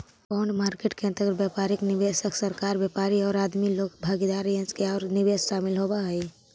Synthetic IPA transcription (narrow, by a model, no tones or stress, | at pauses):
pɔʊɳɖmaːɾkeːʈkẽə̃nt̪əɡɾbjɛpaːɾiknɪbesəksəɾkaːɾbjepaːɾiɔːɾaːd̪miloːkbʱaːɡid̪aːɾjənskeaːɾnɪbeːsʃaːmɪlɦobaɦəi